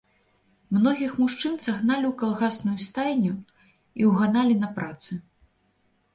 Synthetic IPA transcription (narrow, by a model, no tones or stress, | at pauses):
mnɔɣʲixmuʂt͡ʂɨnsaɣnalʲiwkalˠɣasnujust̪ajnʲu | iwɣanalʲinɐpɾat̪sɨ